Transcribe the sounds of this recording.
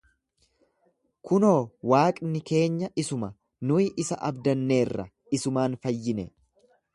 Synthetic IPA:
kʊno̞ːwaːkʼnɪke̞ːɲːɐʔɪsʊmɐ | nʊɪʔɪsɐʔɐbd̪ɐnːe̞ːrːɐ̰ | ɪsʊmaːnfɐjːɪnɛ

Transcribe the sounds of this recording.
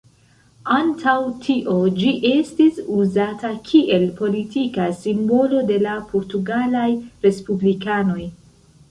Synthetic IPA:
antʰawtʰiʔo̞d͡ʒiʔe̞stisuzatakʰiʔe̞lpo̞litikasimbo̞lo̞de̞lapʰo̞ɾtuɡalajɾe̞spublikano̞j

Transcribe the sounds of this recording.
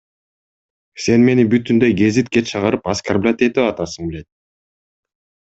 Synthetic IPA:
se̞nme̞nibyt̪ːynd̪øjɡe̞zit̪̚ket̪t͡ʃʰɑʁɑɾɯpaskarblʲat̪et̪yɑt̪ɑsɯŋbele̞t̪̚

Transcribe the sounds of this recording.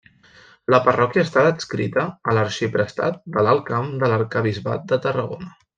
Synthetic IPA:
ləpərɔkjəːst̪aəskɾḭt̪əːləɾʃipɾəst̪a̰t̪̚d̪ələlˠkamd̪ələɾkəβ̞izβa̰t̪̚d̪ət̪ərəɣo̰nə

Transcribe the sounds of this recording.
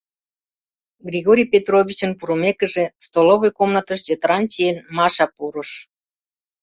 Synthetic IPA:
ɡrʲiɣoɾʲijpʲet̪roβʲit͡ɕənpuɾumekə̆ʒest̪oloβojkomnɑt̪əʃd͡ʑet̪ɾɑnt͡ɕijenmɑʃɑpuɾəʃ

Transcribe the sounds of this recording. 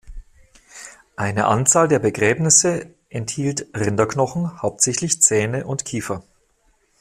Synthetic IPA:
ʔaɪnə̰ʔa̰nt͡saːldeːɐbəɡʁɛːbnɪsə | ʔɛnthiːltʁɪndɐknɔχn̩haʊp̚tz̥ɛçtlɪçt͡sɛːnəʔʊntkʰiːfɐ

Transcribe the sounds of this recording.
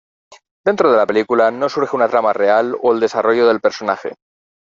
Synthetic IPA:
d̪e̞nt̪ɾoðe̞lape̞likulano̞suɾxeunat̪ɾamare̞aloeld̪e̞saro̞ʝoðe̞lpeɾso̞naxḛ

